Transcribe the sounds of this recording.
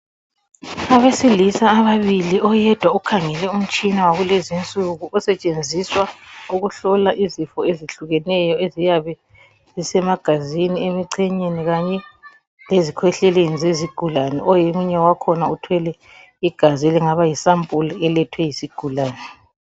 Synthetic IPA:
aβesilisaːβaβiliʔɔjɛd̥ʱwaukʰaŋɛlɛum̩t͡ʃʼinawaɣulezint͡sʼuɣuʔɔsɛt͡ʃʼend͡zʱiswauɣuɬɔlaʔizifɔeziɬuɣɛnɛjɔezijaβɛ | zisɛmaɡ̥ʱaziniemiǀʰɛɲeniɣaɲɛ | lezikʰwɛɬɛlenizeziɡ̥ʱulanɛ̰ʔɔjemuɲɛwakʰɔnautʰwɛlɛ | iɡ̥ʱazɛlɛŋaβajisampʼulɛlɛtʰwɛjisiɡ̥ʱulaːnɛ

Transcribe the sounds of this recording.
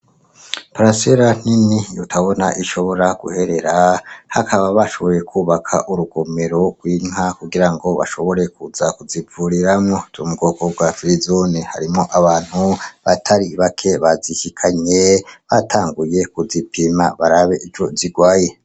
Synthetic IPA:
paɾaseɾan̥inijutʰaβo̞naʔiʃo̞βo̞ɾaɡ̥ṵhe̞ɾe̞ɾahakʰaβaβaʃo̞βo̞je̞kʰuːβakʰa̰ʔuɾuɡo̞me̞ɾo̞ɡ̥wiːŋɦakuɡiɾaŋɡo̞βa̰ʃo̞βo̞ɾe̞kuzakuzivuɾiɾamŋozumuɡoːɡoɡwafiɾizoniha̰ɾimo̞ʔaβaːn̥huβatʰaɾiβakʰe̞βazihikʰaɲeβatʰaːŋɡuje̞kuzipima̰βaɾaβe̞ʔio̞ziɡwaːje̞

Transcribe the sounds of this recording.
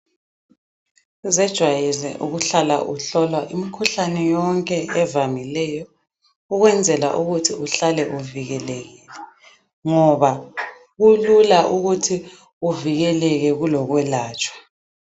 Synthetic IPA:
zɛd̥ʒ̥ʱwajilɛ̰ʔuɣuɬala̰ʔuɬɔlwaʔimikʰuɬanɛjɔŋkʼɛɛvamilɛjɔ | uɣwɛnd͡zʱɛla̰ʔuɣutʰiuɬalɛʔuviɣɛleɣiːlɛ | ŋɔβa | ɣululaʔuɣutʰi | uviɣɛlɛɣɛɣulɔɣwɛlaːt͡ʃʼwḁ

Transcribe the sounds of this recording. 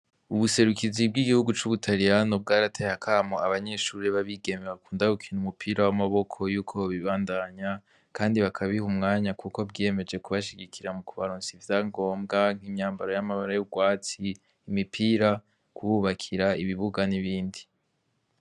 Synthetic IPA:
uβuse̞ɾukizibɡiɡihuɡut͡ʃuβutʰaɾijanob̚ɡaːɾatʰehakʰamoaβaɲe̞ʃuːɾeβaβiɡe̞meβakuːndaukʰinumupʰiːɾawamaβo̞kʰo̞juːkʰo̞βiβaːndaɲa | kʰaːndiβakʰaβihumŋaːɲakuko̞bɡeme̞d͡ʒe̞kuβaʃiɡikʰiɾamukuβaɾuːnsivjaːŋɡo̞ːmɡaŋ̥himɲaːmbaɾojamaβaɾajubɡwaːt͡siː | mipʰiːɾa | kuβuβakʰiɾaiβiβuɡaniβiːndi

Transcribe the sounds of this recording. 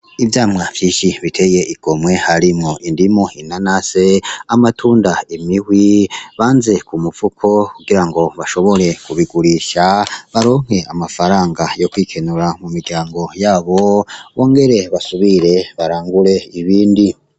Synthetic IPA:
ivjaːmŋavjiːʃiβitʰe̞jeʔiɡ̥o̞mwe̞haɾimoʔindimoinanase̞amatʰuːndaemihwiβaːnze̞kumufukʰo̞kuɡiɾaŋɡo̞βaʃo̞βo̞ɾe̞kuβiɡuɾiʃaβaɾoːŋ̥he̞amafaɾaːŋɡajo̞kwiːkʰe̞nuɾamumiɡɟaːŋɡo̞jaːβo̞βo̞ːŋɡe̞ɾe̞βasuβiɾe̞βaɾaːŋɡuɾe̞iβiːndi

